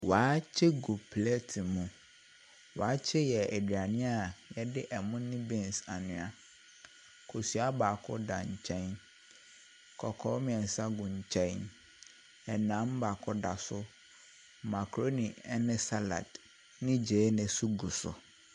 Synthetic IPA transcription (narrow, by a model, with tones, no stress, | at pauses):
waː˨˦t͡ɕʰɪ˦ɡu˨pʰlɛ˦tʰi˨mũ˨ | waː˨˦t͡ɕʰɪ˦jɛ˨ɛ˨dɥa˨nɪ̃˦a˨jɛ˦dɪ˦ʔɛ˨mʊ̃˦nɪ̃˦bɛ̃˨nsa˨nʊ̃˨a˦ | kʰo˨sɥa˦ba˨kʰɔ̰˦da˨ɲ̩˨t͡ɕʰɛ̃˦n | kʰɔ˨kʰɔː˦mɪ̃˨ɛ̃˨n˨sa˦ɡʊ̃˨ɲ̩˨t͡ɕʰɛ̃˦n | ɛ˨nã˨˦m˦ba˨kʰɔ˦da˨sʊ˦ | ma˨kʰɾo˦nɪ̃˨ɛ˦nɪ̃˦sa˦la̰˨d | nɪ̃˦d͡ʑeː˨˦nɛ̃˨su˦ɡu˨sʊ̰˨